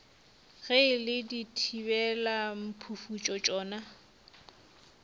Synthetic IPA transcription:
ɣelɪditʰibɛlam̩pʰufut͡ʃʼɔt͡ʃʼɔːna

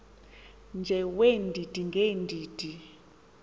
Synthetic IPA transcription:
nd͡ʒʱɛwendʱid̥ʱiŋɡʱendʱiːd̥ʱi

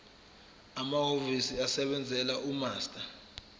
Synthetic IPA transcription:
amaɦovisiasɛɓɛnd͡zʱɛlaʔumaːstʼa

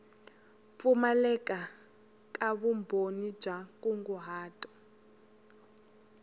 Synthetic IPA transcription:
fumalɛkʼa | k̬ʼaβumbʱonid̥ʒ̥ʱak̬ʼuŋɡuɦaːtʼɔ̥

